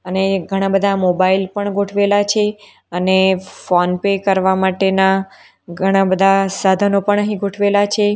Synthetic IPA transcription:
əneɡʱəɽ̃ãbəd̪ʱamobailpəɳɡʱoʈʰʋelat͡ʃʰe | ənefonpekəɾʋamaʈena | ɡʱəɽ̃ãbəd̪ʱasad̪ʱənopəɳəɦĩɡʱoʈʰʋelat͡ʃʰe

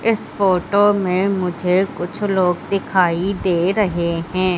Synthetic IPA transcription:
ɪsfoːʈomẽmʊd͡ʒʱekʊt͡ʃʰloːɡd̪ɪkʰaːid̪eːɾɐɦeɦɛ̃ː

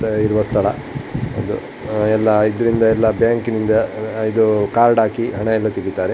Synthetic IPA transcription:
ɐiɾuʋɐst̪ʰɐɭɐ̰ | ɐ̰d̪ṵ | ɛlːɐid̪ɐɾind̪ɐɛlːɐbjaːŋkinind̪ɐid̪ukaːɾɖaːkiɦɐɳɐɛlːɐt̪iɡit̪aːɾe

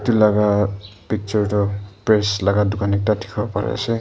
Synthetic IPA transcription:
tulaɡapik̚t͡ʃɔɹtɔpɹeslaɡaduɡanik̚tatʰi̥kʰbɔpaɾḛse

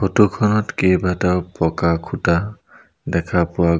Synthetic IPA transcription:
potukʰɔnɔtkejbataʊpɔkakʰuta | dɛkʰapʊwa

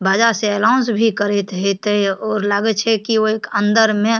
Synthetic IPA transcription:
baːd͡ʒaseɛlaʊ̃nsbʱikəɾet̪ɦet̪ɔːɾlaɡət͡ʃʰɛkioeːkənd̪əɾmẽ

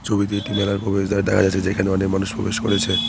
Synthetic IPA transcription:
t͡ɕʰobit̪eeʈimɛlaɾpɾobeʃd̪aɾd̪ɛkʰa̰d͡ʑat͡ɕʰed͡ʑekʰaneɔnekmanuʃpɾo̰beʃkoɾet͡ɕʰe

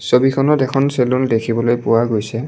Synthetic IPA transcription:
sobikʰɔnɔtɛkʰɔnselɔndekʰibɔlojpʊwaɡojsɛ

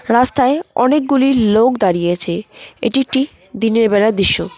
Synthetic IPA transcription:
ɾast̪aeɔ̰nek̚ɡulilokd̪aɾijet͡ɕʰeḛʈiʈi | d̪ineɾbɛlad̪iʃːo

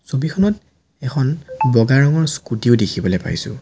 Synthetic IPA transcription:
sobikʰɔnɔt | ɛkʰɔnbɔɡaɹɔŋɔɹskutiʊdekʰibɔlejpa̰jsʊ̰̃

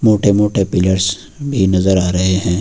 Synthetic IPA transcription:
moːʈemoːʈepɪləɾs | bʱinɐzəɾaːɾɐɦeɦɛ̃ː

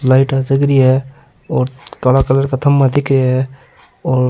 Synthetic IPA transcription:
laːɪʈad͡ʒəkɾiɦɛ | ɔːɾkəlakələɾkat̪ʰəmːad̪ɪkɾaɦɛ | ɔːɾ

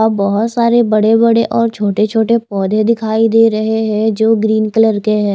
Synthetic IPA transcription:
abɔɦʊt̪saːɾebɐɽebɐɽeʔɔːɾt͡ʃʰoːʈet͡ʃʰoːʈepɔːd̪ʱẽd̪ɪkʰaːid̪eːɾɐɦeɦɛ̃d͡ʒoːɡɾiːnkələɾkeɦɛ̃ː

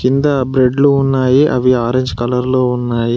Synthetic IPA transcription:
kind̪ɐbɾe̞ɖluːnːaːjiʔɐ̰ʋiaːɾeːɲd͡ʒkɐlɐɾlo̞ːunːaːji

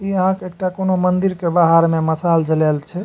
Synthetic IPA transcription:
iəɦãkeek̚ʈakonomənd̪iɾkebaɦaɾmeməsald͡ʒəlɛlt͡ʃʰɛ

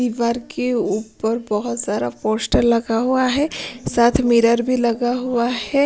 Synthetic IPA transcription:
iʋaːɾkeuːpəɾbəɦʊt̪zjaːd̪a̰pɔɾsʈəɾlɐɡaɦuaɦɛsaːt̪ʰmiɾəɾbʱilɐɡaɦuahɛ

